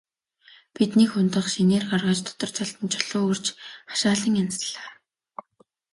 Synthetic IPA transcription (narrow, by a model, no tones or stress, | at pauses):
pit̪nikxʊnt̪ə̆χʃineːrɢarʁaːt͡ɕt̪ʰʊ̥t̪ɞ̆r̥t͡sʰaɬt̪ə̆nt͡ɕʰɔɮʊːɵrt͡ɕχḁʃaːɮĭŋansɮaː